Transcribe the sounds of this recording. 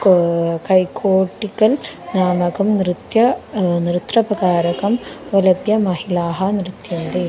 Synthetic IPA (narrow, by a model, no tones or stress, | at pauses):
kɐjkʰoːʈːikɐlnaːmɐkɐmnɾɪt̪jɐnɾɨt̪rɐpɐkaːɾɐkɐmʋɐlɐpjɐmɐɦilaːɦɐnɾɨt̪jɐnd̪e